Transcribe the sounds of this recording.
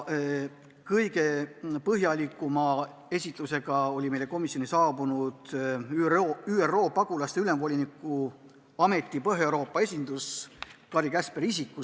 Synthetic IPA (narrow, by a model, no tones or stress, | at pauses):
kɤjɡe̞pɤɦjɑlʲikːˑumɑ | e̞sʲit̪ˑluse̞ɡ̥ɑo̞lʲime̞jle̞ko̞misjo̞nisɑːbunud̪̥ | yːero̞ːpɑɡ̥ulɑst̪e̞yle̞mvo̞lʲinikːˑu | ɑme̞t̪ˑːipɤɦeewɾo̞ːpːˑɑe̞sʲind̪̥uskɑɾikæspeɾisikːˑu